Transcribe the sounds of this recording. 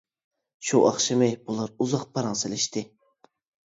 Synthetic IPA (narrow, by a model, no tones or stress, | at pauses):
ʃuʔɑ̰χʃɪmɪjbulˠɑɾuzɑqpʰɑɾɑŋselɪʃt̪ɪ